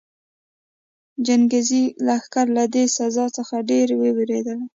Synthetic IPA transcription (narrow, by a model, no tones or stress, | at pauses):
d͡ʒanɡezilaːxkaɾlad̪esazɑt͡səxaɖeɾweweɾed̪əl